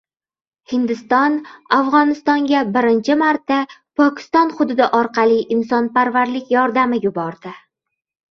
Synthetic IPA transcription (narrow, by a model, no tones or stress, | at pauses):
hɪnd̪ɪst̪ɒnafʁɒnɪst̪ɒŋɡʲabɪɾɪnt͡ʃʰɪmaɾt̪ːapʰɒkʲʰɪ̥st̪ɒnχʊd̪ʊd̪ɪʔɒɾqʰɑlˠɪʔɪmsɒnpaɾvaɾlɪkʲjɒɾd̪amɪjʊbɒɾd̪ɪ